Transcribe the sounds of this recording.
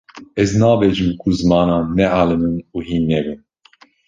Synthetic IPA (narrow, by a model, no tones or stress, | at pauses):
ɛznɑːvɛʒɨmkʰuzmɑːnɑːnɛʔalɨmɨnuɦiːnːɛvɨn